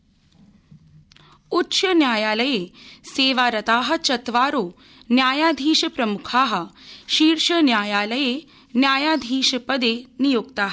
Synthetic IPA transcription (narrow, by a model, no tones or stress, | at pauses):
utːʃɐnjaːjaːlɐjeːseːʋaːɾɐt̪aːɦɐ̆t͡ʃɐt̪ʋaːɾoː | njaːjaːd̪ʱiːʃɐpɾɐmukʰaːɦɐ̆ʃiːɾʃɐnjaːjaːlɐjeː | njaːjaːd̪ʱiːʃɐpɐd̪eːnijoːɡt̪aːɦɐ